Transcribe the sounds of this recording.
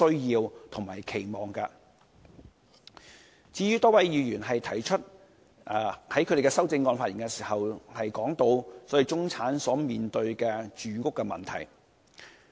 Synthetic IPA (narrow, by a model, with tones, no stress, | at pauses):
ɵ˥ɥjiː˧wt̪ʰʊ˨˩ŋmaː˨˩jkʰe˨˩jmɔː˨˩ŋkɐ˧ | t͡siː˧ɥyː˥t̪ɔː˥wɐ˨˥jjiː˨˧jyː˨˩nɦɐ˨jt̪ʰɐ˨˩jt͡ʃʰɵ˥t̚ː | hɐ˨˥jkʰd̪e˨˩kɛ˧sɐ˥wt͡sɪ˧ŋːɔː˧nfaː˧t̚ji˨˩ŋkɛ˧siː˨˩hɐ˨whɐ˨jkɔː˨˥ŋt̪o˧wsɔː˨˥ji˨˧t͡sʊ˥ŋt͡sʰaː˨˥nsɔː˨˥miː˨nt̪ɵ˧ɥkɛ˧t͡ʃyː˨˧kʊ˥kːɛ˧mɐ̰˨nt̪ʰɐ˨˩j